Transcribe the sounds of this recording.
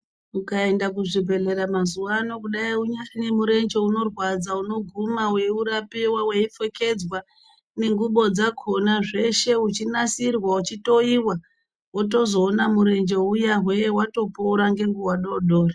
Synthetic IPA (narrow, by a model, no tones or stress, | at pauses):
ukae̞ndakuʐibʱe̞ɮe̞ɾamazuano̞kuɗaiuɲanemuɾe̞nd͡ʒe̞uno̞rwad͡zauno̞ɡʱumawe̞uɾapiwawe̞ifo̞ke̞d͡zwa | neŋɡuɓo̞d͡zakʰonaʐe̞ʃe̞ut͡ʃinasirwaut͡ʃito̞iwa | ot̬o̞zo̞ːnamuɾe̞nd͡ʒe̞ujaɦwewato̞pouɾaŋɡe̞ŋɡuwaɗoɗo̞ːri